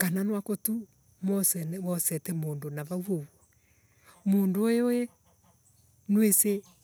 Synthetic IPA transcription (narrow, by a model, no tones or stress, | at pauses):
kananwakotu | mɔsɛnmɔsɛtɛmoːndonaβawoɔ | mondoojoe | nwese